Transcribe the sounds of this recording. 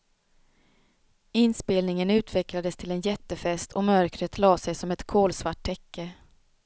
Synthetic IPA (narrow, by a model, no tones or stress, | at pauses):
ɪnspeːlnɪŋənʉ̟ːt̪vɛklad̪əst̪ʰɪlɛnjɛt̪ːəfɛst̪ʰɔmœɾkɾət̪ʰlɑːsɛjsɔmɛt̪kʰoːlsvaʈ̚ʰːɛkːə